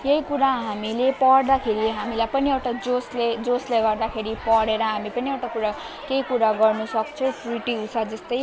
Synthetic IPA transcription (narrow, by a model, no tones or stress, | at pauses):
jeɦikuɾaɦamilepʌɽd̪akʰeɾiɦamilajpʌniewʈad͡zosled͡zosleɡʌrd̪akʰeɾipʌɽeɾʌɦamipʌniewʈakuɾa | keikuɾaɡʌrnusʌk̚t͡sʰʌwpriʈiɦusad͡zʌst̪ʌj